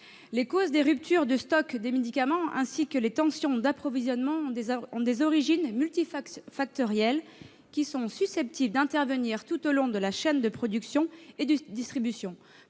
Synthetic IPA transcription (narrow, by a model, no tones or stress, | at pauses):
lekozd̪eʁyp̚t̪ʰyʁd̪əst̪ɔkd̪emed̪ikamɑ̃ɛ̰̃sikəlet̪ɑ̃sjɔ̃d̪apχɔvizjɔnmɑ̃d̪eɔ̃d̪ezɔʁiʒinmylt̪iffak̚t̪ɔʁjɛl | kʲisɔ̃sysɛp̚t̪ʰibld̪ɛ̃t̪ɛʁvəniʁt̪ut̪olɔ̃d̪əlaʃɛnd̪əpχɔd̪yksjɔ̃ed̪d̪ist̪χibysjɔ̃